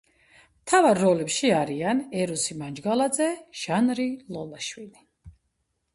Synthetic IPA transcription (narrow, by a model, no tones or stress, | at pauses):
mt̪ʰavaɾːɔlɛpʃiaɾianɛɾusimand͡ʒɡalad̪zɛʒ̥anɾilɔlaʃwili